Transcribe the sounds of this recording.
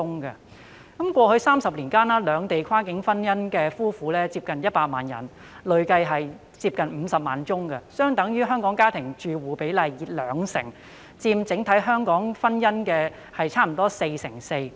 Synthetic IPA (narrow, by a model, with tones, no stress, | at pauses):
ʊ˥ŋkɐ˧ | kɐ˨˦mkʷɔː˧hɵ˧ɥsaː˥msɐ˨p̚liː˨˩nkaː˥nɐː˥lœː˨˧ŋt̪e˨jkʰaː˥kɪ˨˥ŋfɐ˥njɐ˥nkɛː˧fuː˥fuː˨˥lɛː˥t͡siː˧p̚kɐ˨njɐ˥t̚paː˧t̚maː˨njɐ̰˨˩n | lɵ˨˧ɥkɐ˧jɦɐ˨j | t͡siː˧p̚kɐ˨nm̩˨˧sɐ˨p̚maː˨nt͡sʊ˥ŋkɐ˧sœː˥ŋt̪ɐ˨˥ŋjyː˥ɦœː˥ŋkɔː˨˥ŋkaː˥t̪ʰɪ˨˩ŋt͡ʃyː˨wuː˨˩pe˨˥jlɐ˨˧jjiː˨˩t̚lœ̰ː˨˧ŋsɪ̰˨˩ŋ | t͡siː˧mt͡sɪ˨˥ŋt̪ʰɐ˨˥jɦœː˥ŋkɔː˨˥ŋfɐ˥njɐ˥nkɛː˧ | hɐ˨jt͡sʰaː˥m̩˨˩t̪ɔː˥se˧jsɪ̰˨˩ŋse˧j